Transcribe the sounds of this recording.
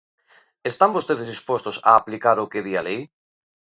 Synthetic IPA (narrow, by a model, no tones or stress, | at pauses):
est̪ambost̪eðezðispwost̪osa̰ːplikaɾokeðialej